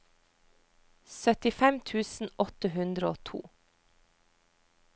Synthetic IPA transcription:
sœt̪ɪfɛmt̪ʰʉːsn̩ʔɔt̪əhʉnd̪ɾəoːt̪ʰṵː

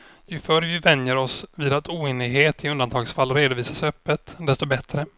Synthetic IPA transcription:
jɪfœɾvɪvɛnjəɾɔsvɪːd̪at̪ʰuːeːnɪɡɦeːt̪ʰɪɵnd̪ant̪ʰɑːɡsfalːɾeːd̪ʊviːsasœpːət̪d̪ɛst̪ɔbɛt̪ɾə

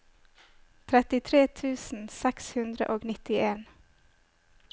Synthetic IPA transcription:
t̪ʰɾɛt̪ɪt̪ʰɾeːt̪ʰʉːsn̩sɛkshʉnd̪ɾə̰ʔoːɡnɪt̪ɪʔeːn

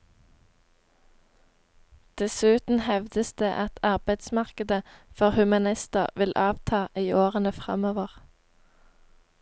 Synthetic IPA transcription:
d̪̥ɛsʉːt̪n̩hɛʋd̪əsd̪̥eːʔɑt̪ʰɑʁbæɪd̪smɑʁkəd̪əfɔʁhʉmɑnɪst̪əʁʋɪlʔɑːʋt̪ʰɑːʔiːʔoːʁənəfʁɑ̰moːʋəʁ

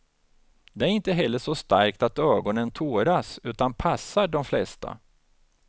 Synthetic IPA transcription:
d̪ɛæɾɪnt̪əɦɛlːəʂɔst̪a̰ɾkt̪at̪øːɡɔnənt̪ʰoːɾasʉ̟ːt̪anpʰasːaɖɔmflɛst̪ʰa̰

